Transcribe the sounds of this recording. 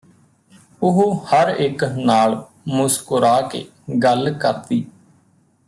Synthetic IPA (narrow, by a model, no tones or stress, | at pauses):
ʊɦhəɾɪknaːɭ | mʊskʊɾaːkḛː | ɡəlkəɾt̪iː